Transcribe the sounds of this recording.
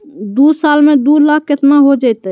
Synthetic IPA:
d̪uːsaːlmẽd̪uːlaːkʰkɪt̪naɦod͡ʒaɛt̪

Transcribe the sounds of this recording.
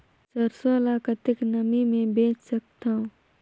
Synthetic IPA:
t͡ʃɐɾsolaːkət̪ɪknɐmimẽbeːt͡ʃsək̚t̪aũ

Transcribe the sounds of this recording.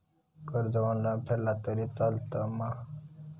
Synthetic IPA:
kəɾd͡zəʋanlapʰelat̪əɾit͡salt̪əmã

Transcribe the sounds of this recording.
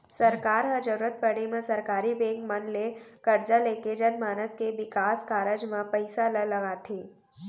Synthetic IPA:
sɐɾkaːɾɦəd͡ʒəɾuːɾət̪̚pəɽ̃emẽsɐɾkaːɾibẽːŋkmənlekɐɾd͡ʒaleːked͡ʒənmaːnəskeʋɪkaːskaːɾəd͡ʒmãpəɪsaləlɐɡaːt̪ʰeː

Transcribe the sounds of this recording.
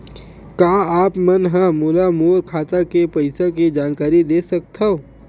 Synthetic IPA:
kaːaːpmɐnɦãmuːlamoːɾkʰaːt̪akepɐɪsakid͡ʒaːnkaːɾid̪eːsɐk̚t̪ao

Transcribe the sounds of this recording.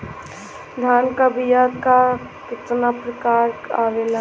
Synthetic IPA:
d̪ʱaːnkəbijaka | kɪt̪napɾəkaːɾaʋela

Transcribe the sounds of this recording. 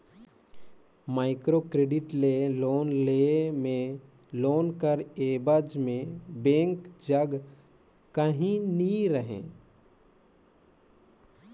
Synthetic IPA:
maːɪkɾoːkɾeːɖɪʈleloːnleːmẽ | loːnkəɾeːbəd͡ʒmẽbẽːŋkd͡ʒəɡ | kəɦĩniɾəɦḛ̃ː

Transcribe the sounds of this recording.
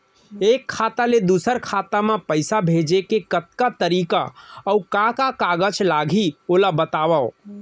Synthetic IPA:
ekʰːat̪aled̪usəɾkʰat̪amepəɪsabʱed͡ʒekekət̪kat̪əɾika̰əukãkakaɡət͡ʃʰlaɡʱiolabət̪abao

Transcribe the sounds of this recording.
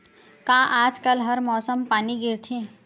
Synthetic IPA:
kãːʔaːd͡ʒkəlɦɐɾmɔːsəmpaːniɡɪɾt̪ʰẽ

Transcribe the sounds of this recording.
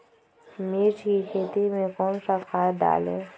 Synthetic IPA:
meːt͡ʃkikʰeːt̪imẽkɔːnsakʰaːd̪a̰ːlḛː

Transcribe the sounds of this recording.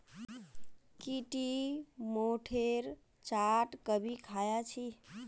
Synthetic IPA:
kiʈimoʈʰeɾ | t͡ʃaʈkəbʱikʰajat͡ʃʰi

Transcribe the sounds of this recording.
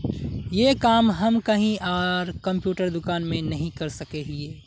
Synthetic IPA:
jekaːmɦɐmkɐɦĩaːɾkɐ̃mpjuːʈəɾd̪ʊkaːnmẽnɐɦĩkɐɾsɐkeɦieː

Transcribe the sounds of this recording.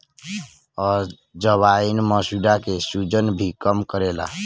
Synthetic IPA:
ɔːɾ | d͡ʒəβainməsuɖakesud͡ʒənbʱikəmkəɾela̰

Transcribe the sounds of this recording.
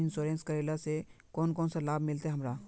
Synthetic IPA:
ɪnsoɾẽːnskəɾeːlasekɔːnkɔːnsalaːbmɪlt̪eɦɐmɾaː

